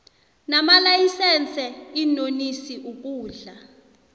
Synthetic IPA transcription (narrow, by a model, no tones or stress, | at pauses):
namalajisɛnt͡sʰʼɛinonisiʔuk̬ʼuːɮa